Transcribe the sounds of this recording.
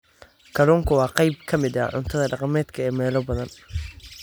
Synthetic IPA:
ɡʰɐluːŋkʰʊwɑːqɑjb̚kʰɐmɪd̪ɐʕʊnt̪ʰɐðɐɖɑqɑmɛːd̪kʰɐɛːmɛːlɔbɐðɐn

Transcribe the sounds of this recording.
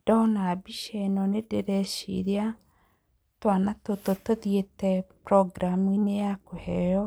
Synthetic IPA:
d̥ɔnabiʃɛnɔnedeɾɛʃḭɾea | twanatototoðjetɛpɾɔɡɾamuinejakohɛɾɔ

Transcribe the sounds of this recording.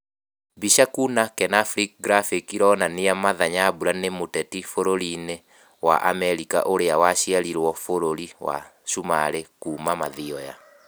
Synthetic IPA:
biʃakunakɛnaflik̚ɡɾafikiɾɔnaneamaðaɲabuɾanemotɛtifoɾoɾine | wa̰ʔa̰mɛɾika̰ʔoɾeawaɕiaɾiɾwɔfoɾoɾiwa̰ʃuma̰ɾekuːmamaðiɔja̰

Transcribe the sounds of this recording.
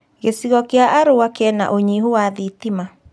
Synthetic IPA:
ɣesiɣɔkeaʔaɾowakeɛna̰ʔoɲiɦuwaðitima

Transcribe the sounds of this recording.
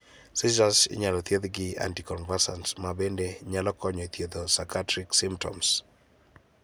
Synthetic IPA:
sizasɪ̰ɲalɔt̪jed̪ɡɪa̰ntikɔnvasantmabendeɲalɔkɔɲɔit̪jed̪osakatɾiksimp̚tʰɔ̰ms

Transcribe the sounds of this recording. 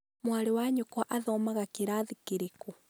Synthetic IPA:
mwalewaɲokwaʔaðɔːmaɣakeɾaðikeɾeku

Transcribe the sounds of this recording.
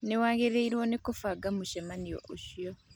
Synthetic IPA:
newaːɣeɾeiɾwɔnekofaɡamuʃɛmanijo̰ʔoʃio

